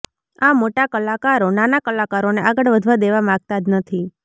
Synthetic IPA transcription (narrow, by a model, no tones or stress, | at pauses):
amoʈakəlakaɾonanakəlakaɾoneaɡəɽʋəd̪ʱʋad̪eʋamãɡ̚t̪ad͡ʒnət̪ʰi